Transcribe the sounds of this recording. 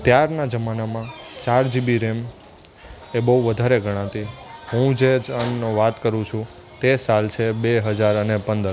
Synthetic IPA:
t̪jaɾnad͡ʒəmanamãt͡ʃaɾd͡ʒibiɾem | ebəɦuʋəd̪ʱaɾeɡʱəɽ̃ãt̪iɦũd͡ʒed͡ʒənːoʋat̪kəɾũt͡ʃʰũ | t̪esalt͡ʃʰebeɦəd͡ʒaɾənepənd̪əɾ

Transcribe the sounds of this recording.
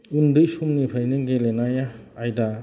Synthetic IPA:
undɯʔsumnipʰajnɯŋɡelenajaːjda

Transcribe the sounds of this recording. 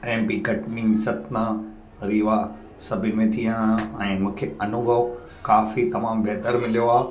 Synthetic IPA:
ɛ̃ːmpiɡʱɐʈnɪ̃ŋsɐt̪na | ɾiːʋa | sɐbʱɪnɪ̆mẽt̪ʰijãɛ̃ːmũːkʰeɐnʊbʱɐʋ | kaːfit̪ɐmaːmbʱeːt̪əɾmɪlijoaː

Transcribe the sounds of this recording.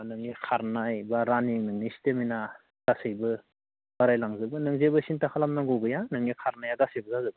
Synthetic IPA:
nɯŋnikʰaɾnajbaɾaninɯŋnisi̥temina | ɡ̥asɯjbɯ | baɾajlaŋzɯbɯnɯŋzebɯsintakʰalamnaŋɡɯwɡɯjanɯŋnikʰaɾnajaɡasɯjbɯzazɯbɯ

